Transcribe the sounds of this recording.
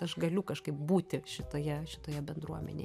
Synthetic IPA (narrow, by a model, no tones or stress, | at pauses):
ɐʃɡɐlʲʊkɐʃkɐɪp̚buːt̪ʲɪʃʲɪt̪oːjɛʃʲɪt̪oːjɛbʲɛnd̪ɾuɔmʲɛ̰nʲḛ